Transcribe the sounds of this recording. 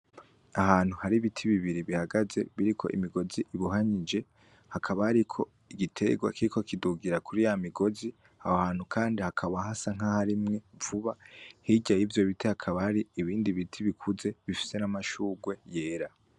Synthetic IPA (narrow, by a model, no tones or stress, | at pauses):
ahaːn̥huhaɾiβitʰiβiβiɾiβihaɡaze̞̰βiɾikʰo̞̰ʔḭmiɡo̞ziʔiβuɦaɲid͡ʒe̞ | hakʰaβahaɾikʰo̞ | iɡitʰe̞ɡwa̰kikʰokiduɡiɾakʰuɾijamiɡo̞zi | hahahaːnhukʰaːndihakʰaβaɦasaŋ̥ahaɾimŋe̞vuβahiɟajivjo̞βitʰihakʰaβahaɾiːβiːndiβitʰiβikʰuze̞βifi̥se̞namaʃuːɡwe̞je̞ːɾa